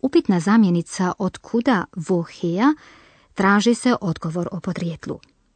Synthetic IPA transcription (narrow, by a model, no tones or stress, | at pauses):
upit̪nazaːmjenit̪saʔod̪kʰud̪aʋoxeja | t̪ɾaːʒise̞ʔo̞d̪ɡo̞ʋo̞ɾo̞pod̪ɾjet̪lˠṵ